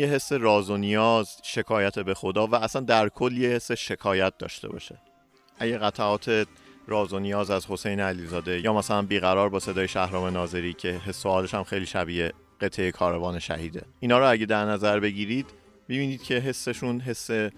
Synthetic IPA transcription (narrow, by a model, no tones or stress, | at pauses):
jeɦesːe̞ɾɒːzonijɒːzʃe̞kʰɒːjæt̪ʰe̞be̞xo̞d̪ɒːvææsænd̪æɾkʰolːiːehe̞sːe̞ʃe̞kʰɒːjæt̪̚d̪ɒ̰ːʃt̪ebɒ̰ːʃe̞̥ | ʔæɟæɣæt̪ʰæɒːt̪ʰe̞ | ɾɒːzonijɒːzæzho̞se̞jneælizɒːd̪e̞jɒːmæsælænbiːɣæɾɒːɾbɒːse̞d̪ɒːjeʃæhɾɒːme̞nɒːze̞ɾiːcʰe̞ɦesːoɒːle̞ʃæmxejliːʃæbiːe | ɢ̥e̞t̪ʰːejekʰɒːɾevɒːne̞ʃæ̰hiːd̪e̞̰ʔiːnɒːɾɔæɟe̞d̪æɾnæzæɾbe̞ɟiːɾiːd̪ | mibiːniːd̪̥̚cʰe̞ɦe̞sːeʃunɦe̞sːe̞